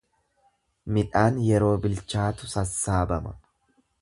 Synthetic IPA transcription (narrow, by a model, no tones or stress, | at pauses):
mɪᶑaːnjɛɾo̞ːbɪlt͡ʃaːt̪ʊsɐsːaːbɐmɐ̰